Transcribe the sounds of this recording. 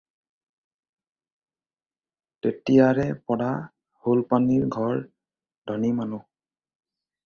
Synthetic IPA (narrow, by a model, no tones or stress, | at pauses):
tetijaɹɛpɔda | holpaniɹɡʱɔɹ | d̥ʱɔnimanʊ